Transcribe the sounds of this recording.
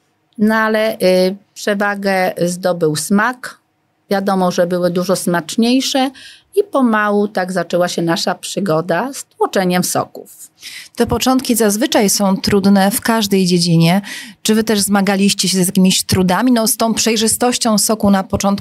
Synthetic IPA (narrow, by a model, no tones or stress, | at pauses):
nɔalɛʔpʂɛvaɡɛzd̪ɔbɘwsmak | vʲjad̪ɔmɔʐɛbɘwɘd̪uʐɔsmat͡ʂɲejʂɛ | ipɔmawut̪aɡzat͡ʂɛwaɕɛnaʂapʂɘɡɔd̪ast̪wɔt͡ʂɛɲɛmsɔ̰kuft̪ɛpɔt͡ʂɔ̃nt̪̚kʲizazvɘt͡ʂajsɔ̃w̃t̪ɾud̪nɛfkaʐd̪ɛjd͡ʑed͡ʑiɲɛt͡ʂɘvɘt̪ɛʐzmaɡalʲiɕt͡ɕɛɕɛzjakʲimʲiɕt̪ɾud̪amʲinɔst̪ɔ̃w̃pʂɛjʐɘst̪ɔɕt͡ɕɔ̃w̃sɔkunapɔt͡ʂɔnt̪